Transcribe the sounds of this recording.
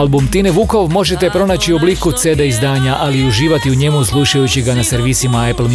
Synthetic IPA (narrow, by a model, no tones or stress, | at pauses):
lbumt̪ineʋuko̞ʋmo̞ʒe̞t̪epɾo̞nat͡ɕio̞bliːkut̪sed̪aizd̪aːɲaʔaliuʒiːʋat̪iuɲe̞muslˠuʃajut͡ɕiɡanase̞ɾʋiːsimaepl̩m